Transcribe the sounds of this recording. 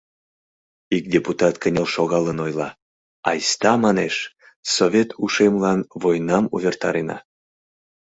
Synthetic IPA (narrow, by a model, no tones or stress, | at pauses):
ik̚dʲeput̪ɑt̪kənʲelʃoɣɑlənojlɑ | ɑ̰jst̪ɑmɑneʃ | sovʲet̪ʰuʃemlɑnvojnɑmṵvʲert̪ɑɾenɑ̰